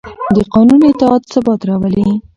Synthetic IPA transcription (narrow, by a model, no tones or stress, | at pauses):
d̪əqɑnunɪt̪ɪɑt̪sabɑt̪ɾɑwəli